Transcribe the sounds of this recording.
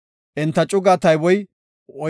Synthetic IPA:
ʔɪnt̪ːɐt͡ʃʼʊɡaːt̪ɐjwɔj | ɔ

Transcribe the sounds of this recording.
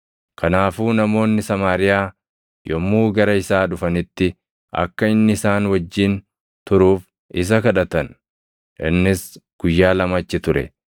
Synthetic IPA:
kʰɐnaːfuːnɐmo̞ːnːɪsɐmaːɾɪjaː | jɔmːuːɡɐɾɐɪsaːᶑʊfɐnɪt̪ːɪ | ʔɐ̰kːɐɪnːɪɪsaːnwɐd͡ʒːiːn | t̪ʊɾuːf | ʔɪs̬ɐkɐᶑɐt̪ɐn | ʔɪnːɪsɡ̥ʊjːaːlɐmɐt͡ʃːɪt̪ʊɾɛ̰

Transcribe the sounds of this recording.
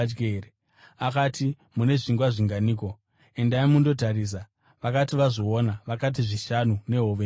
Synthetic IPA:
d͡ʒɡeɾe | akatʰi | mune̞ʐiŋɡwaʐiŋɡaniːko̞ | endaimundo̞taɾiːs̬a | ʋakatiʋazoonaʋakat̬iʐiʃanune̞ɦoʋe

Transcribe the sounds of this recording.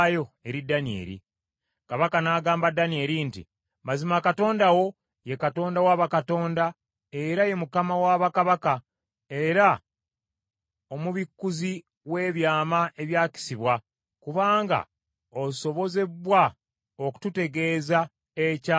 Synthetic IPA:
jo̞e̞ɾidːanie̞̰ːɾḭ | kaβakanaːɡaːmbadanie̞ɾintḭ | mazimakato̞ːndawo̞ | je̞kato̞ːndawaːβakato̞ːnda | e̞ɾaje̞mukamawaːβakaβaka | e̞ɾa | o̞muβikːuzi | we̞ːβjaːmaʔe̞βjaːci̥siβwa | kuβaːŋɡa̰ | oso̞βo̞ze̞βwa | oku̥tute̞ɡe̞ːza | eca

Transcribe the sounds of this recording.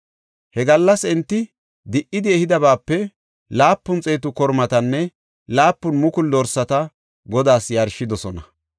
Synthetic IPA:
hɛɡɐlːɐsɛnt̪ːɪ | d̪ɪʔːɪd̪ɪɛhɪd̪ɐβaːpːɛ | laːpːʊnt͡sʼeːt̪ʊkɔɾmɐt̪ɐnːɛ | laːpːʊnmʊkʊld̪ɔɾsɐt̪ɐ | ɡɔd̪aːsjɐɾʃɪd̪ɔsɔnɐ

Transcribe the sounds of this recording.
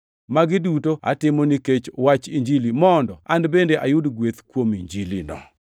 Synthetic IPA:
maɡɪdutoa̰tɪmoniket͡ʃwat͡ʃiɲd͡ʒilimɔndɔandbendeʔajʊdɡwet̪kwomiɲd͡ʒilinɔ̰

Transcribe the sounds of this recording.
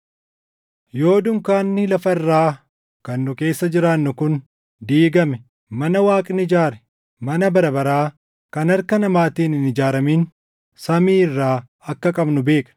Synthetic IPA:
jo̞ːd̪ʊŋkaːnːɪlɐfɐɪrːaː | kɐnːʊke̞ːsːɐd͡ʒɪɾaːnːʊkʊn | d̪iːɡɐmɛ | mɐnɐwaːkʼnɪd͡ʒaːɾɛ̥ | mɐnɐbɐɾɐbɐɾaː | kɐnɐɾkɐnɐmaːt̪iːnɪnɪd͡ʒaːɾɐmiːn | sɐmiːɪrːaː | ɐkːɐkʼɐbnʊbe̞ːkʼɐ̥

